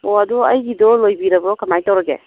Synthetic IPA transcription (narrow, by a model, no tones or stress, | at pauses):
oɐduɐjɡidɔlojbiɾɐbɔkamajtawɾɐɡḛ